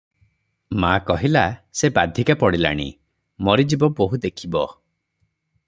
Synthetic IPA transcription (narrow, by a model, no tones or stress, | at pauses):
makɔɦilasebad̪ʱikapɔɽila̰ɽ̃ḭ | mɔɾid͡ʒibɔboɦud̪ekʰibɔ